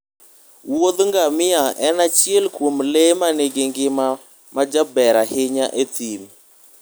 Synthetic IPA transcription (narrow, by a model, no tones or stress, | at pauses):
wod̪ŋɡamɪaɛnat͡ʃjelkwomlemaneɡeŋɡɪma | mad͡ʒabɛɾahɪɲaʔet̪ʰim